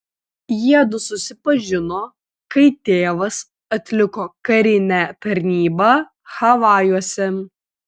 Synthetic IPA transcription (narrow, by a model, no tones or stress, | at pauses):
jiɛd̪ʊsʊsʲɪpɐʒʲɪnoː | kɐɪt̪ʲeːʋɐs | ɐt̪ʲlʲɪkoːkɐɾʲɪnʲæt̪ɐɾʲnʲiːbɐ | xɐʋɑːjuɔsʲɛ